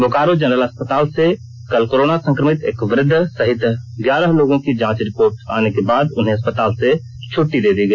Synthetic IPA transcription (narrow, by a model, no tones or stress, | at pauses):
bʱokaːɾod͡ʒənɾələspət̪aːlse | kəlkoɾoːnasə̃ŋkɾəmɪt̪eːkʋɾɪd̪ʱːsəɦɪt̪ɡjaːɾəɦloːɡõkid͡ʒãːt͡ʃɾɪpoːɾʈa̰ːnekebaːd̪ʊnɦẽɐspət̪aːlse | t͡ʃʰʊʈːid̪eːd̪iɡəi